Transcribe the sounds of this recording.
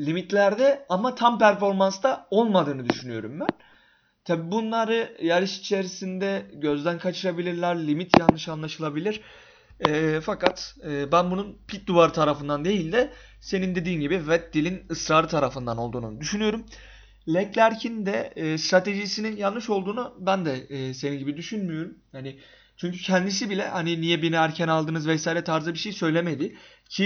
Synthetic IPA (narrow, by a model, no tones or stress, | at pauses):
lʲimit̪lʲæɾd̪ɛamat̪ʰampæɾfo̞ɾmanst̪ao̞lˠmad̪ɯːnɯd̪yʃynyjo̞ɾumbæn | t̪ʰabiːbunlˠaɾɯjaɾiʃit͡ʃʰe̞ɾisind̪ɛɟø̞zd̪ænkʰat͡ʃʰɯɾabilʲiɾlʲæɾlʲimit̪ʰjanːɯʃanlˠaʃɯlˠabilʲiɾ̥ | ɛːfakat̪ɯːbænbununpʰit̪̚d̪uvaɾt̪ʰaɾafɯnd̪and̪e̞jilʲd̪ɛ | se̞nind̪e̞d̪iːmɟibivɛt̪̚d̪ilʲinɯsɾaːɾɯt̪ʰaɾafɯnd̪ano̞lˠd̪uːnṵd̪yʃynyjo̞ɾum | lʲɛclʲæɾcʰind̪ɛst̪ɾat̪ʰe̞ʒisininjanːɯʃo̞lˠd̪uːnubænd̪ɛːse̞ninɟibid̪yʃynmyjo̞ɾumhani | t͡ʃʰyɲcycʰɛnd̪isibilʲɛ̰haninijɛbiniæɾcʰænalˠd̪ɯnɯzvɛsaːjiɾɛt̪ʰaɾzɯbiʃe̞jsø̞jlʲeme̞d̪ɪ | cʰi